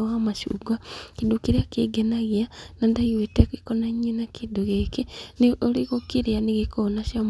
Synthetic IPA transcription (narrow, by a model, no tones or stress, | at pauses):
ɣamaʃṵɡakidukiɾiakiɡenaɣianandaɣiwetekikonaɲinakiduɣekiniʔoliɣokiɾianiɣikonaʃjam